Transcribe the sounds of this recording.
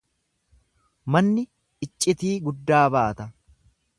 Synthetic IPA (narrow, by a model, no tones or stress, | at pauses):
mɐnːɪ | ɪt͡ʃʼːɪt̪iːɡʊd̪ːaːbaːt̪ɐ